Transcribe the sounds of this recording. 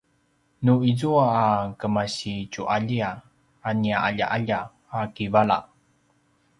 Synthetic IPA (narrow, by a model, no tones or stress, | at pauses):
nuizuaːkəmaɕicuʔaʎia | aniaaʎa̰ʔaʎa | akivala̰